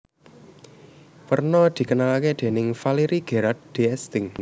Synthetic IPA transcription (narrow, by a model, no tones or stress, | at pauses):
wərnɔd̪̥i̤kənalaked̪̥e̤nɪŋfaliɾiɡ̥e̤ɾat̪̚d̪̥e̤ɛst̪ɪŋ